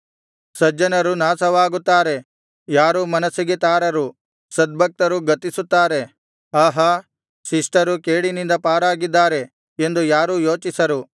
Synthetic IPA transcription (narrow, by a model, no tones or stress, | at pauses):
sɐd͡ʒɐnɐɾunaːsɐʋaːɡut̪ːaːɾe̞ | jaːɾuːmɐnɐsːiɡet̪aːɾɐɾu | sɐd̪̚bʱɐk̚t̪ɐɾuɡɐt̪isut̪ːaːɾe̞ | ɐɦɐ | siʂʈɐɾukeːɽinind̪ɐpaːɾaːɡid̪ːaːɾe̞ | end̪ujaːɾuːjo̞ːt͡ʃisɐɾu